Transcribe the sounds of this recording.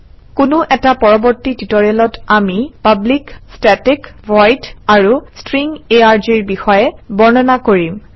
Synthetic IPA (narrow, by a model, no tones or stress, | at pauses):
kʊnʊʔɛtapɔɹɔbɔɹtititɔɹɛlɔtamipablikstɛtikvɔjtaɹustɹiŋeaɹd͡ʒiɹbixɔjɛbɔɹnɔnakoɹim